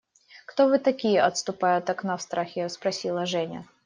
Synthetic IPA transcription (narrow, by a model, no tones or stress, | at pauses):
kt̪ovɨt̪ɐkʲijəʔɐt̪st̪ʊpajʊt̪ɐknafst̪ɾʔaxʲɪspɾɐsʲilˠəʐɛnʲə̰